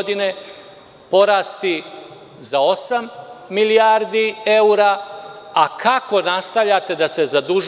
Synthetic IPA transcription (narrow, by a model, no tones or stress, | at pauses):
d̪ine̞ | po̞ɾaːst̪i | zao̞samːiliaːɾd̪ie̞uɾaakako̞nast̪avʎat̪e̞d̪ase̞zad̪uʒ